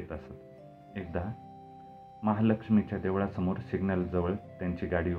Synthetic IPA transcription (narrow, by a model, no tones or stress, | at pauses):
et̪əsət̪ | ek̚d̪a | məɦaləkʂmit͡ɕjad̪eʋɭasəmoɾsiɡnəld͡zəʋəɭt̪jaɲt͡ɕiːɡaɽi